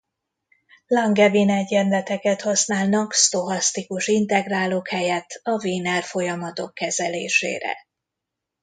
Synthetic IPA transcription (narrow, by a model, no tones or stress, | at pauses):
lɒŋɡɛvinɛɟɛnlɛt̪ɛkɛt̪hɒsnaːlnɒkst̪o̞ɦɒst̪ikuʃint̪ɛɡraːloːkhɛjɛt̪ʰːɒviːnɛrfo̞jɒmɒt̪o̞kːɛzɛlḛːʃḛːɾɛ̰